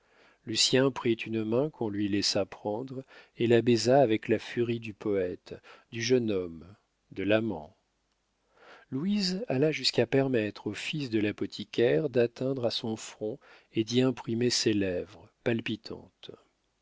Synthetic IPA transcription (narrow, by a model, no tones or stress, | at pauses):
lysjɛ̃pχit̪ʰynmɛ̃kʰɔ̃lɥilɛsapχɑ̃d̪ʁelabɛzaːvɛklafyʁid̪ypɔɛt̪d̪yʒənɔm | d̪əlamɑ̰̃ | luizalaʒyskapɛʁmɛt̪χofisd̪əlapɔt̪ʰikʲɛʁd̪at̪ɛ̃d̪ʁasɔ̃fχɔ̃ | ed̪iɛ̃pχimeselɛvʁəpalpit̪ʰɑ̰̃t̪